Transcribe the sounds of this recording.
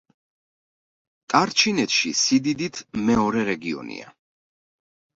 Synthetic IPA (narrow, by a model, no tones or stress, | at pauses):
t̪ʼaɾt͡ʃʰinɛt̪ʃisid̪id̪it̪ʰmɛɔɾɛɾɛɡiɔ̰nḭa̰